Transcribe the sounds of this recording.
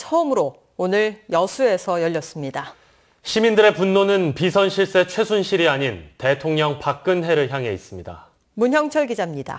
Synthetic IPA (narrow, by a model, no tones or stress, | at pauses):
t͡ɕʰʌɯmɯɾo | onɯɾjʌsʰue̞sʰʌjʌʎːʌs͈ɯmɲida | ɕʰimindɯɾe̞punːonɯnpisʰʌnɕʰiɭs͈e̞t͡ɕʰwe̞sʰunɕʰiɾiaɲinte̞tʰoŋɲʌŋpak̚k͈ɯnɦe̞ɾɯɭçjaŋɦe̞is͈ɯmɲida̰ | munɦjʌŋt͡ɕʰʌɭɡid͡ʑamɲida̰